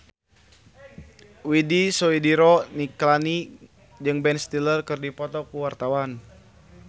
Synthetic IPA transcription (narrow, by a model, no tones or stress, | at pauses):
widisɔidiɾɔniklani | d͡ʒɨŋbɛnst̪ilərkərdipɔt̪ɔkuwart̪awan